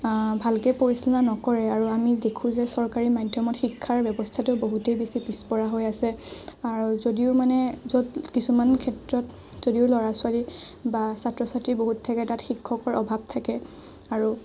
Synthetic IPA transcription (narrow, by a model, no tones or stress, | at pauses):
bʱalkɛpoɹisilãnɔkɔɹɛaɹuamidekʰũzɛsɔɹkaɹimajdʱjɔmɔtxikʰːaɹbjɛbɔstʰatʊboɦutejbesipispɔɹaɦojasɛaɹuzodiʊmanɛzotkisumankʰɛtɹɔt | z̥odiʊlɔɹasʊali | basatɹɔsatɹiboɦutʰːakɛtatxikʰːɔkɔɹʔɔbʱab̚tʰakɛ | aɹu